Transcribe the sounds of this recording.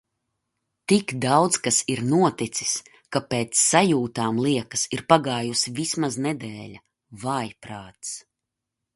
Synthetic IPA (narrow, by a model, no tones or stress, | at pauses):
t̪ikd̪awd̪zkasiɾnuɔt̪it̪si̥s | kapeːt̪sːajuːt̪aːmlˠiɛkɐ̥siɾpaɡaːjusivismaznɛd̪ɛːlʲa | vajpɾaːt̪s